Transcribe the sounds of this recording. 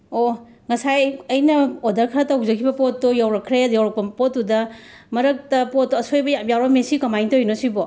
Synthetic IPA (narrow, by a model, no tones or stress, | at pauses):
o | ŋɐsajɐjnɐodɐɾkʰɐɾɐtɐwzɐkʰibɐpotːojawɾɐkʰɾejawɾɐk̚pɐpotːudɐ | mɐɾɐk̚tɐpot̚ːoɐsojbɐjajawɾɐmesikɐmajntojnosibo